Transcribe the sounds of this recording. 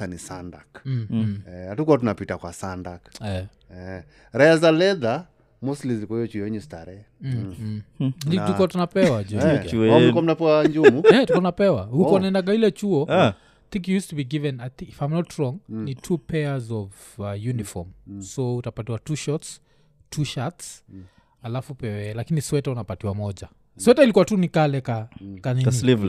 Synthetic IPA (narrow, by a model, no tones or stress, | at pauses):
anisandak̩ː | ɛatukuwatunapitakwasandakɛ | ɛ | ɾajazalɛða | muslizilikɔhijɔt͡ʃuɔɛɲustaɾɛ | nituuatunapɛwad͡ʒɛikam̩napɛaɲd͡ʒumuɛtukɔtunapɛwahukɔnaɛndak̬ailɛt͡ʃuɔ | aθĩŋkjujustubiɡivɛ̃najθiifãjmnɔtɹɔ̃ŋnitʰupʰɛazɔv | ajunifɔ̰msɔutapatiwatuʃɔts | tʰuʃats | alafupɛwɛlakiniswɛtaunapatiwamɔd͡ʒa | swɛtailikuwatunikalɛkakaninliv